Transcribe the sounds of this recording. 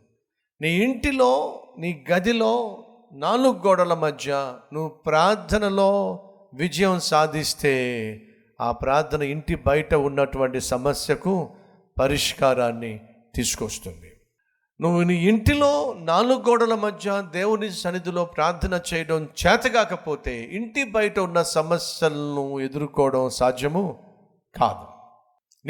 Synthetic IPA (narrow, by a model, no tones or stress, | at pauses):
niːiɳʈiloːniːɡɐd̪ilo̞ː | naːluɡːɔːɽɐlɐmɐd̪ʱjɐnuʋːupɾaːɾt̪ʰːɐnɐlo̞ː | ʋid͡ʒɐjɐmsaːd̪ʱist̪e̞ː | a̰ːpɾaːɾt̪ʰɐnɐiɳʈibɐjɐʈɐunːɐʈuʋɐɳʈisɐmɐsjɐku | pɐɾiʂkaːɾaːnːi | t̪iːsu̥kost̪und̪i | nuʋːuniiɳʈilo̞ːnaːluɡɔːɽɐlɐmɐd̪ʱjɐd̪eːwunisɐnːit̪̬ilo̞ːpɾaːɾt̪ʰɐnɐt͡ʃɛːjɐɽɐmt͡ʃɛːt̪ɐɡaːkɐpo̞ːt̪e̞ːiɳʈibɐjɐʈɐunːɐsɐmɐsjɐlɐnue̞d̪uɾukɔːɐɽɐmsaːd͡ʒ̪ʱjɐmu | ka̰ːd̪u | n